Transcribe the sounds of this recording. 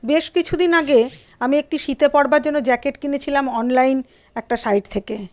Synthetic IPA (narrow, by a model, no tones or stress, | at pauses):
beʃkit͡ɕʰud̪inaɡe | amiek̚ʈiʃit̪epɔɽbaɾd͡ʑonːod͡ʑɛkeʈkinet͡ɕʰilamɔnlajn | ɛk̚ʈasajʈ̚t̪ʰeke